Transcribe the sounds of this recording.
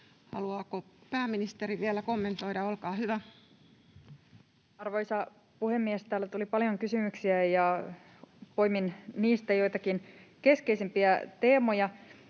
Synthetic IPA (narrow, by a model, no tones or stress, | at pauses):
hɑ̰luɑːkopæːminist̪eriʋielækomːe̞nt̪oidɑolkɑːhyʋæ | ɑrʋoisɑ | puhemːiest̪æːlːæt̪ulipɑljoŋkysymyksiæjɑ | pojminniːst̪æjoit̪ɑkinkeskeisempiæt̪eːmojɑ